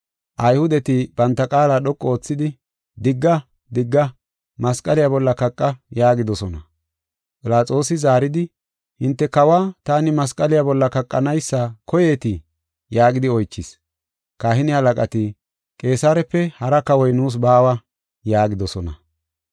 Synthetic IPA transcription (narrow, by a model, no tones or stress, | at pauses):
ʔɐjhʊd̪ɛt̪ɪb̥ɐnt̪ːɐkʼaːlaːɗɔkʼːɔoːt͡sːɪd̪ɪ | d̪ɪɡːɐ | d̪ɪɡːɐ | mɐskʼɐlɪjabɔlːɐkɐkʼːɐjaːɡɪd̪ɔsɔnɐ | pʼɪlaːt͡sʼo̞ːsɪzaːɾɪd̪ɪ | hɪnt̪ːɛkɐwaːt̪aːnɪmɐskʼɐlɪjabɔlːɐkɐkʼːɐnɐjsːɐkɔje̞ːt̪ɪ | jaːɡɪd̪ɪɔjt͡ʃːɪs | kaːhɪnɪhɐlɐkʼɐt̪ɪ | kʼe̞ːsaːɾɛpːɛhɐɾɐkɐwɔjnuːs̬baːwɐ | jaːɡɪd̪ɔsɔnɐ̰